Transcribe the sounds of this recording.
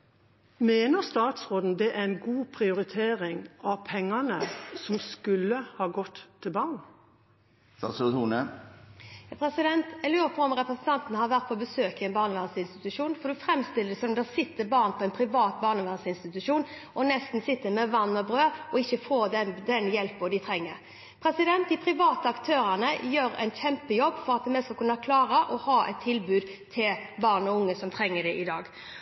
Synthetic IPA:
meːnəʁst̪ɑːt̪sʁoːd̪n̩d̪ɛʔæɛnɡuːpʰɾɪʊɾɪt̪ʰeːʁɪŋʔɑʋpʰɛŋːɑnəsɔmskʉlːəhɑːɡɔt̪ʰːɪlbɑːʁn | sɑ̰st̪uːnə | jɑpʰɾɛsɪd̪ɛnt̪ɛlːəpʰɔɔmɾɛpɾɛsn̩t̪ʰɑnt̪n̩əhɑɾʋæʁt̪̚pʰɔːbəsøːkəɪɛnbɑːʁnəʋæːʁsəɪnst̪ɪt̪ʉʂuːnfɔʁd̪ʉfɾɛmst̪ɪlːəsɔnɔmd̪ɛsɪt̪ːəbɑːʁnpʰɔɛnpʰɾɪʋɑːt̪̚bɑːʁnəʋæːʁsəɪnst̪ɪt̪ʉʂuːnʔɔnɛst̪n̩sɪt̪ːəmɛʋɑnːɔbɾøːɔɪçːəfoːd̪ɛd̪ɛnjɛlpɔd̪ɪt̪ʰɾɛŋːəɾ | pʰɾɛsɪd̪ɛnt̪̚d̪ɪpʰɾɪʋɑːt̪əɑkt̪ʰøːɾənəjøːɾɛ̰ɪnçɛmpəjɔbːfɔɾɑt̪̚d̪ɛmɛskɑlkʉnːɑkʰlɑːɾəʔɔhɑːʔɛ̰ɪt̪ʰːɪlbʉːd̪ | t̪ʰɪlbɑːʁnɔʊŋːəsɔmt̪ʰɾɛŋːəd̪ɛʔɪd̪ɑːɡ

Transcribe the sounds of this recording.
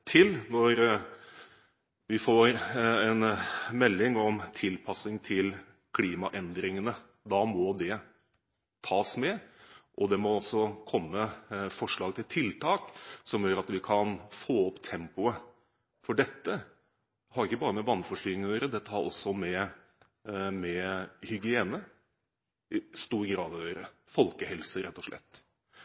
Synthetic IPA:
t̪ʰɪlnɔɾ | ʋɪfoːɾɛnmɛlːɪŋɔmt̪ʰɪlpʰɑsɪŋt̪ʰɪl | kʰliːmɑ̰ʔɛnd̪ɾɪŋənə | d̪ɑːmɔd̪ɛ | t̪ʰɑːsmɛʔɔd̪ɛmɔɔsːɔkʰɔmːəfɔʂɭɑːɡt̪ʰɪlt̪ʰɪlt̪ʰɑːksɔmjøːɾɑt̪ʋɪkʰɑnfoːɔpt̪ʰɛmpʊə | fɔɖɛt̪ːə | hɑɾɪkːəbɑːɾəmɛʋɑnːfɔʂʈyːɪŋnøːɾəd̪ɛt̪ːəhɑɾɔ̰sːɔmɛ | mɛhʏɡɪeːnə | ɪst̪uːɾɡɾɑːd̪ɔjøːɾəfɔlkəhɛlsəɾɛt̪ːɔʂɭɛ̰t̪ː

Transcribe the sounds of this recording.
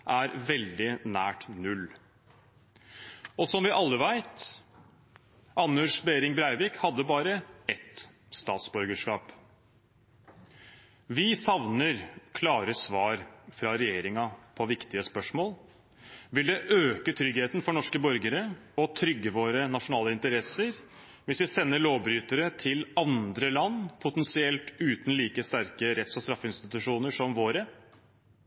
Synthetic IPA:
ʔæɾʋɛld̪ɪnæːʈnʉl | ɔsɔmʋɪʔɑlːəʋæɪt̪ | ɑnːʉʂbeːɾɪŋbɾæɪʋɪkhɑd̪ːəbɑːɾəɛt̪ | st̪ɑːt̪sbœɾɡəʂkɑːp | ʋɪsɑʋnəɾkʰlɑːɾəsʋɑːɾfɾɑɾɛjeːɾɪŋɑpʰɔʋɪkt̪ɪəspœʂmoːl | ʋɪld̪ɛʔøːkət̪ʰɾʏɡheːt̪n̩fɔɳɔʂkəbɔɾɡəɾəɔt̪ʰɾʏɡːəʋoːɾənɑʂʊnɑːləɪnt̪əɾɛsːəɾ | ʋɪsʋɪsɛnːəloːbɾyːt̪əɾət̪ʰɪlɑnd̪ɾəlɑnːpʰʊt̪ɛnsɪɛlt̪ʉːt̪n̩liːkəst̪æɾkəɾɛt̪sɔst̪ɾɑfːɪnst̪ɪt̪ʉʂuːnəʂɔmʋoːɾə

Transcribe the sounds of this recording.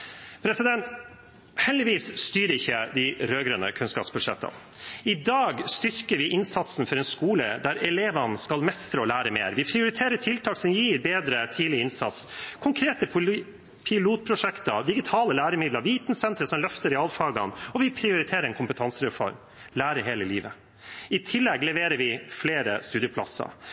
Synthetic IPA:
pʰɾɛsɪd̪ɛnt̪ | hɛld̪ɪʋiːsst̪yːɾəɪçːəd̪ɪɾøːɡɾɛnə̰kʰʉnskɑːpsbʉʂɛ̰t̪ʰːɑ̰ | ɪd̪ɑːɡst̪ʏɾkəɾʋɪʔɪnsɑt̪sn̩fɔɾɛnskuːlə̰d̪æɾɛleːʋɑnskɑlmɛst̪ɾəɔlæːɾəmḛːɾʋɪpʰɾɪʊɾɪt̪ʰeːɾəʈʰɪlt̪ʰɑːksɔmjiːɾbeːd̪ɾət̪ʰiːlɪɪnsɑ̰t̪skʰʊŋkʰɾeːt̪ə | pʰɪluːt̪̚pʰɾʊʂɛkt̪əd̪ɪɡɪt̪ʰɑːləlæːɾəmɪd̪ləɾʋiːt̪nsɛnt̪ɾəsɔmlœft̪əɾɪɑlfɑːɡɑnɔʋɪpʰɾɪʊɾɪt̪ʰeːɾəɾɛnkʰʊmpət̪ʰɑnsəɾɛfɔ̰ɾm | læːɾəɦeːləliːʋə | ɪt̪ʰɪlːɛɡlɛʋeːɾəɾʋɪfleːɾə̰st̪ʉːd̪jəpʰlɑ̰sɑ̰

